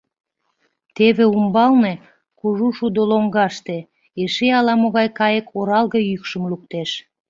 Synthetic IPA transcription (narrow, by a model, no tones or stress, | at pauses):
t̪eβeumbɑlne | kuʒuʃud̪oloŋɡɑʃt̪e | eʃeɑlɑmoɣɑjkɑjəkʰoɾɑlɣəjykʃəmluk̚t̪eʃ